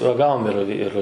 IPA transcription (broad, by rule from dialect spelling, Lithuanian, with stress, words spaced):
rɐˈɡɑːʋoːm ɪr ɪr